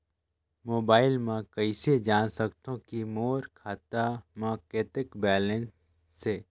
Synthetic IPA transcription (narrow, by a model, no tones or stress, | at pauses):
moːbaːɪlmãkəɪsed͡ʒaːnsəkt̪õkimoːɾkʰaːt̪amãːkeːt̪ɪkbɛːlə̃nsː | e